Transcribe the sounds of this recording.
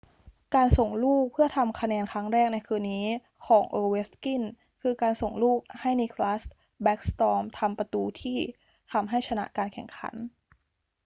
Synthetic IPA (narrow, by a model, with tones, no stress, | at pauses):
kaː˧nso˨˩ŋluː˥˩k̚pʰɯ˥˩ɐt̪ʰa˧mkʰa˧nɛː˧nkʰa˦˥ŋɾɛː˥˩k̚na˧jkʰɯː˧nːiː˦˥ | kʰɔː˩˦ŋʔɤː˧we˦˥ski˥˩n | kʰɯː˧kaː˧nso˨˩ŋluː˥˩k̚ha˥˩jni˧kʰlaː˦˥s | bɛ˦˥k̚st̪ɔː˧mt̪ʰa˧mpɾa˧t̪uː˧t̪ʰiː˥˩ | t̪ʰa˧mɦa˥˩jt͡ɕʰa˧na̰˦˥ʔkaː˧nkʰɛ˨˩ŋkʰa̰˩˦n